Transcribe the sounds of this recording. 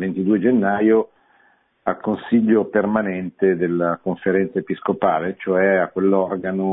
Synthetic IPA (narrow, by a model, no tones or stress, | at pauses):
vent̪id̪ued͡ʒenːaːjo | a̰lkonsiʎːopermanɛnt̪ed̪elːakoɱfeɾɛnt̪saepiskopaːlet͡ʃoɛakːwelːɔrɡano